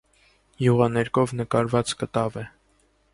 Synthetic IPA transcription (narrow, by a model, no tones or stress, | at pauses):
juʁɑnɛɾkʰɔvnəkɑɾvɑt͡skət̪ɑvɛ